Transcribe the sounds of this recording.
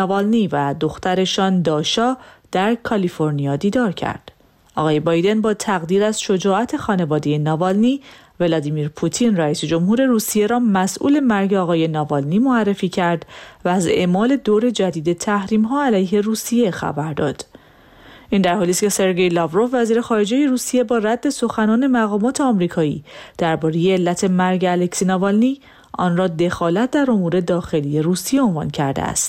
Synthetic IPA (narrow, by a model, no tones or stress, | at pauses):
vɒlnivæd̪o̞xt̪æɾe̞ʃɒːnd̪ɒːʃɒːd̪̥æɾkʰɒlifo̞ɾnijɒːd̪iːd̪ɒːɾcʰæ̰ɾd̪̥ | ʔɒɣɒːje̞bɒːjd̪e̞nbɒːt̪ʰæɣd̪iːɾæzʃo̞d͡ʒɒːʔæt̪ʰe̞xɒːne̞vɒːd̪e̞je̞nɒːvɒlniː | ve̞lɒd̪iːmiːɾpʰut̪ʰinræiːsed͡ʒo̞mhuːɾe̞ɾuːsije̞ɾɒːmæsʔṵːle̞mæɾɟeɒːɣɒːje̞nɒːvɒlniːmoærːe̞fiːcʰæɾd̪væːze̞mɒːle̞d̪oːɾe̞d͡ʒæd̪iːd̪e̞t̪ʰæhɾiːmɦɒːælæjɦe̞ruːsije̞xæ̰bæɾd̪ɒ̰ːd̪̥ | ʔind̪æɾhɒːlist̪cʰe̞se̞ɾɟe̞jlɒvɾo̞fvæziːɾe̞xɒːɾe̞d͡ʒeje̞ɾuːsije̞bɒːræd̪ːe̞so̞xænɒːne̞mæɣɒːmɒːt̪ʰe̞ɒmɾiːkʰɒːḭːd̪̥æɾbɒːɾe̞je̞ːlːæt̪ʰe̞mæɾɟælecsiːnɒvɒlni | ʔɒ̰nrɒːd̪e̞xɒːlæt̪̚ʰd̪æɾo̞muːɾe̞d̪ɒːxe̞lije̞ɾuːsije̞onvɒ̰ːncʰæɾd̪ḛæ̰st̪